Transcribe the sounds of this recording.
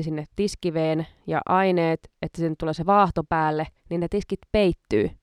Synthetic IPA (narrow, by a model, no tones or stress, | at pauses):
sinːet̪iskiʋeːnjɑ̰ʔɑineːt̪et̪ːæ̥sinːt̪ːuleːseʋɑːht̪opæːlːeninnet̪iskit̪peit̪ːy̰ː